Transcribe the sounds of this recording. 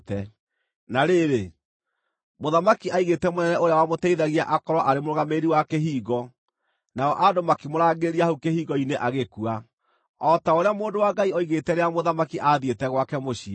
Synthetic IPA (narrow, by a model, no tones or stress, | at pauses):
tɛ | naɾeɾe | moðamakiʔaiɣetɛmonɛnɛoɾejawamotɛiðaɣiaʔakɔɾɔʔaɾemoɾoɣameɾiwakeɦiːɣɔ | naɔʔadomakimoɾaːɡeɾiahukehiːɣɔineʔaɣekua | ɔtaoɾeamoːndowaɡaiɔiɣetɛɾeamoðamakiʔaðietɛɣwakɛmoɕi